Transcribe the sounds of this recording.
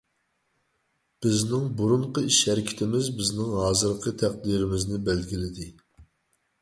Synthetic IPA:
b̥ɪznɪŋbuɾuɴqəiʃhɛɾɪkʲʰɪ̥t̪ʰɪmɪzbɪznɪŋɦɑːzɨɾqʰət̪ʰæq̚d̪iɾɪmɪznɪbælɡʲilɪd̪ɪ

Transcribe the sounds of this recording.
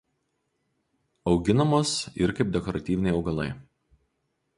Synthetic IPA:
ɒʊɡʲɪnɐmoːsɪɾkɐɪp̚d̪ʲɛkɔɾɐt̪ʲiːʋʲɪnʲɛɪɒʊɡɐlˠɐ̰ɪ

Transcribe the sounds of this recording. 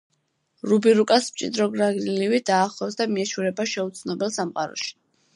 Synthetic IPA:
ɾubiɾukʼasmt͡ʃʼḭd̪ɾɔɡɾaɡniliwid̪̥aːχlˠɔwsd̪amiɛʃuɾɛbaʃɛut̪sʰnɔbɛlˠsamqʼa̰ɾɔ̰ʃi̥

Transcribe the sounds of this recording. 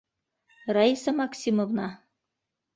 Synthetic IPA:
rɑisɑmɑksʲimovnɑ

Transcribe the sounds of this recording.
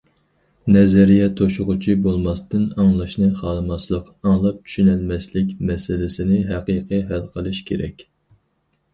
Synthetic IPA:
nɛzɛɾijɛt̪ʰoʃʊʁʊt͡ʃʰibolˠmɑst̪ɨnɑŋlˠɑʃnɨχɑːlˠɨmɑslˠəq | ɑŋlˠɑp̚t͡ʃʰy̥ʃynælmɛslɪkʲmɛsɪlɪsɪnɪɦæqijqɨɦælqʰəlˠɨʃkʲʰeɾɛ̰kʲ

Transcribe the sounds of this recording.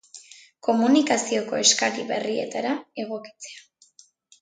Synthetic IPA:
ko̞munikasio̞ko̞e̞skaɾiβe̞rie̞t̪aɾae̞ɣ̞o̞ki̥t͡se̞a

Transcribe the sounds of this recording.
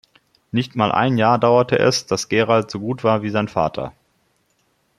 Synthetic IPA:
nɪçtmaːlʔa̰ɪnjaːɐdaʊɐtʰəʔɛ̰sd̥asɡ̥eːʁaltz̥oːɡuːtv̥aːɐviːzaɪnfa̰ːtʰɐ̰

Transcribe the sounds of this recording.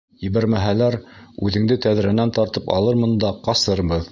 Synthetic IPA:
jɘβæɾmæɦælæɾʉðɘ̆ŋd̪ɘt̪æðɾænænt̪ɑɾt̪ɤpɑ̰lˠɤɾmɤnd̪ɑqɑsɤ̆ɾbɤð

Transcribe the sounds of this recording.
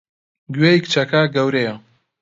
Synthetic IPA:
ɡɥeikt͡ʃʰɐkaɡɐwɾejɐ

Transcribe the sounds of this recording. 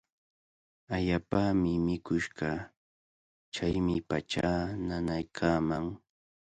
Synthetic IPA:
aʎaːpamɪmɪkʊʃɢɑ | t͡ʃajmɪpat͡ʃaːnanajkʰaːmaŋ

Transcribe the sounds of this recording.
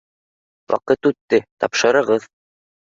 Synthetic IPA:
wʔɑ̰qɤt̪ʉt̪ːɘt̪ɒ̰pʃɤ̆ɾɤ̆ʁɤð

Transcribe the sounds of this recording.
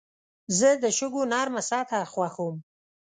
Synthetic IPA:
zəd̪əʃʊɡonɑɾmasɑt̪ʰaxwaxom

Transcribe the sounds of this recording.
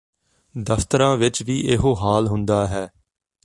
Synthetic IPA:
d̪əft̪əɾãːʋɪt͡ʃʋiːʔɪɦoɦaːlɦʊnd̪aːɦɛː

